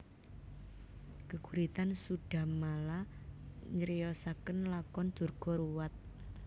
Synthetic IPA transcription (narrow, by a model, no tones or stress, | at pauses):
kəɡ̥uɾit̪ansuɖ̥a̤mala | ɲəɾijɔsakənlakɔnd̪̥ṳrɡ̥ɔ̤ɾuwat̪̚